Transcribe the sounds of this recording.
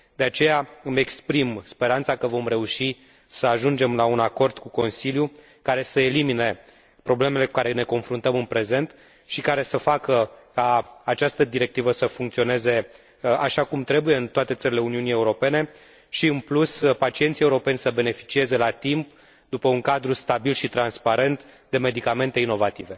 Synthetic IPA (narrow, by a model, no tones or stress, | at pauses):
d̪̥e̞at͡ʃe̞jaɨme̞kspɾimspe̞ɾant̪sakəvo̞mɾe̞uʃi | səaʒund͡ʒe̞mlaunako̞rd̪̥kuko̞nsilju | kaɾe̞səelimine̞ | pɾo̞ble̞me̞le̞kukaɾene̞ko̞nfɾunt̪əmɨnpɾe̞ze̞nt̪ | ʃikaɾe̞səfakəkaːt͡ʃast̪əd̪iɾe̞k̚t̪ivəsəfuŋkt̪sio̞ne̞ze̞ | aʃakumt̪ɾe̞buje̞ɨnt̪oat̪e̞t̪səɾʲile̞uniunie̞uɾo̞pe̞ne̞ | ʃiɨnpluspat͡ʃient̪sieuɾo̞pe̞nʲsəbe̞ne̞fi̥t͡ʃie̞ze̞lat̪imp | d̪upəuŋkad̪ɾust̪abilʃit̪ɾanspaɾe̞nt̪ | d̪e̞me̞d̪ikame̞nt̪e̞ino̞vat̪ive̞